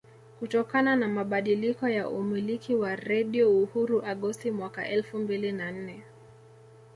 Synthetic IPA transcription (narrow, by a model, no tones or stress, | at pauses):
kutɔkananamaɓaɗilikɔjaʔumilikiwaɾɛɗiɔuhuɾuʔaɠɔstimwaka̰ʔɛlfumbilinan̩nɛ